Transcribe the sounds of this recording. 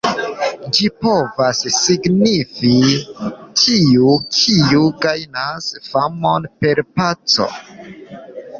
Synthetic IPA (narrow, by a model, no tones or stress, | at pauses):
d͡ʒipo̞vasːiɡnifi | tʰiukʰiuɡajnasfamo̞npe̞ɾpat͡so̞̰